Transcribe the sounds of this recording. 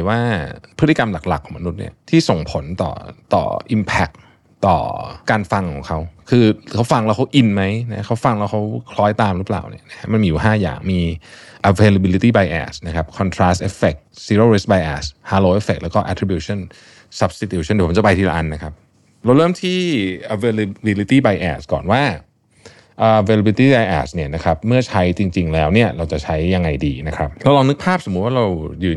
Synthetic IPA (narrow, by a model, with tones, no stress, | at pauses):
waː˥˩pʰɯ˦˥t̪i˨˧ka˧mla˨˩k̚la̰˨˩kʰːɔː˩˦ma˧nu˦˥t̪̚nḭ˥˩t̪ʰiː˥˩so˨˩ŋpʰo˩˦nt̪ɔ̰ː˨˩t̪ɔ̰ː˨˩ʔi˧mpʰɛ˦˥k̚ | t̪ɔ̰ː˨˩kaː˧nfa˧ŋkʰɔː˩˦ŋkʰa˦˥wkʰɯː˧kʰa˦˥wfa˧ŋlɛː˦˥wkʰa˦˥wʔi˧nma˦˥jna˦˥kʰa˦˥wfa˧ŋlɛ˦˥wkʰa˦˥wkʰlɔː˦˥jt̪aː˧mɾɯ˦˥pla̰ː˨˩wnḭ˦˥˩ɐna˦˥kʰa˦˥ma˧nmiː˧ju˨˩ɦaː˥˩ja̰ː˨˩ŋmiː˧ʔa˧feː˧la˧bi˧li˦˥t̪iː˥˩ba˧jʔɛ̰ː˧˩sna˦˥kʰa˦˥p̚kʰɔː˧nt̪ʰɾaː˦˥st̪̚ʔe˦˥fe˨˩k̚si˧˦ɾə˥˩˨ɾe˦s̚ba˧jʔɛ̰ː˧˩shaː˧loː˧ʔe˦˥fe˨˩k̚lɛː˦˥kɔː˥ʔɛ˧˥t̪ʰɾi˧bjuː˧ɕʰɔ˥˩n | sa˧˦p̚si˧˥t̪ʰjuː˧˩˥ndpʰt͡ɕa˨˩pa˧jt̪ʰiː˧la̰˧ʔa˧˩nːa˦˥kʰa˦˥p̚ | ɾa˧wɾɤː˥˩mt̪ʰiː˥˩ʔa˧weː˧la˧bi˧li˧˥t̪iː˥˩ba˧jʔɛ̰ː˨˩skɔ̰ː˨˩nwaː˥˩ | ʔaː˨˧ʔweː˧la˧bi˧li˦t̪iː˥˩ba˧jʔɛ̰ː˨˩sni˥˩ɐna˦˥kʰa˦˥p̚mɯ˥˩ɐt͡ɕʰa˦˥jt͡ɕi˧ŋt͡ɕi˧ŋlɛː˦˥wni˥˩ɐɾa˧wt͡ɕa˨˩t͡ɕʰa˦˥jːa˧ŋːa˧jdḭː˧na˦˥kʰɾa˦˥p̚laː˧wlɔː˧ŋnɯ˦˥k̚pʰaː˥˩p̚so˩˦t̪̚waː˥˩ɾa˧wjɯː˨˩n